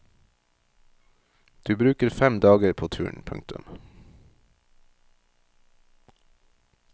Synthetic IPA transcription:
d̪̥ʉːbɾʉːkəɾfɛmd̪ɑːɡəɾpʰoːt̪ʰʉ̰ːɳpʰʉ̰ŋ̚t̪ʉ̰m

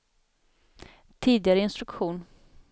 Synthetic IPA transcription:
t̪ʰiːd̪ɪɡaɾəɪnst̪ɾɵkɧuːn

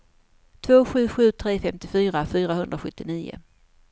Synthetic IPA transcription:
t̪ʰvoːɧʉ̟ːɧʉ̟ːt̪ʰɾeːfɛmt̪ɪfyːɾafyːɾaɦɵnd̪ɾaɧɵt̪ːɪniːʊ̰

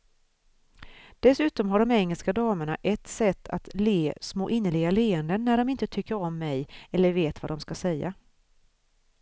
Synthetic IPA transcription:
d̪̥ɛsʉ̟ːt̪ɔmɦaɖɔmɛŋːəlskad̪ɑːməɳa̰ʔɛt̪sɛt̪ʰːa̰t̪leːsmo̰ːʔɪnːəɭɪɡaleːənd̪ənːæɖɔmɪnt̪ət̪ʰʏkːəɾɔmːɛjɛlːəɾveːt̪va̰d̪ɔmskasɛjːa̰

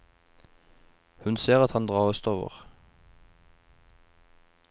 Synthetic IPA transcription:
hʉnseːʁɑt̪hɑnd̪ʁɑːʁɔst̪oːʋə̰ʁ

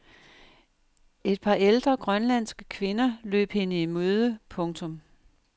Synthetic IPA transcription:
e̝d̥̚pʰɑ̈ːeld̥ʁɐɡ̥ʁɶnlæn̰sɡ̥ə̥kʰʋe̝nɐlø̰ːb̥he̝nəimøːð̞ˠəpʰɔ̽ŋt͡sʰɔ̽m

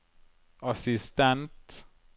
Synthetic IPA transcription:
ɑsɪst̪ɛnt̪

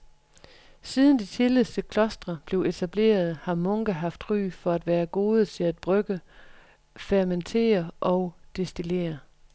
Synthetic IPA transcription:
siːð̞ˠn̩d̥it͡sʰeledʰekʰlɒ̽sd̥ʁɐb̥le̝ʊe̝t͡sʰæb̥le̝̰ːɐð̞ˠhɑ̈mɔ̽ŋɡ̥æɦɑ̈fd̥ʁy̰ːfɒ̽æd̥ʋæːɐɡ̥o̝ːð̞ˠət͡sʰe̝læd̥̚b̥ʁœɡ̥ə | fæɐment͡sʰe̝̰ːɐʔɒ̽ʊd̥e̝sd̥ile̝̰ːɐ

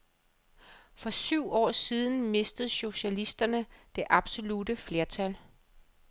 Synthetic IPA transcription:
fɒ̽syʊ̰ɒ̰ːsiːð̞ˠn̩me̝sd̥əð̞̩ˠɕo̝ɕælisd̥ɐnəd̥e̝ʔɑ̈b̥so̝lud̥əfle̝ɐt͡sʰæl

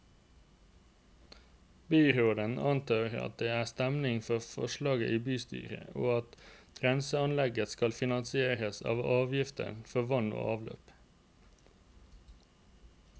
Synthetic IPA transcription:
byːɾoːd̪ənɑnt̪ʰɑːɾɑ̰t̪̚d̪eːæːst̪ɛmnɪŋfɔfɔ̰ʃlɑːɡə̰ʔiːbyːst̪y̰ːɾə̰oːɑt̪ | ɾɛnsəɑnlɛɡəskɑlfɪnɑnsɪeːɾəsɑ̰ːʋɑːʋjɪft̪ə̰nfɔʋɑno̰ːʔɑːʋlø̰ːp

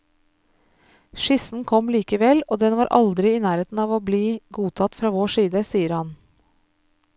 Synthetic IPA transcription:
ʃɪsn̩kʰɔmliːkəʋɛloːd̪ɛnʋɑːɾʔɑ̰ld̪ɾɪɪːnæːɾeːt̪n̩ɑːʋoːbliːɡuːt̪ʰɑt̪fɾɑːʋoːʂiːd̪əsiːəɾhɑn

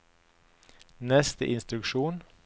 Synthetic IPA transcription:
nɛst̪ə̰ʔɪnst̪ɾʉkʃuːn

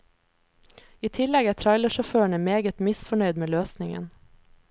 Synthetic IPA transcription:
iːt̪ʰɪlɛɡæːt̪ʰɾɑɪləʃɔføːæɳəmeːɡət̪mɪsfɔɳœʏd̪meːløːsnɪŋə̰n

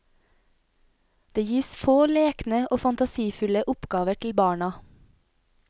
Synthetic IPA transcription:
d̪̥eːjiːsfoːleːknəʔoːfɑnt̪ɑsiːfʉləʔʊpɡɑːʋəʈʰl̩bɑːɳɑ

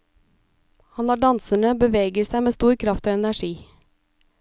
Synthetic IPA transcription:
hɑnɑːɖɑnsəɳəbəʋeːɡəsæɪmeːst̪uːɾkʰɾɑft̪oːɛnæʃiː

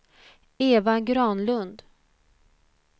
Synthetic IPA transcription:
eːvaɡɾɑːnlɵnd̪

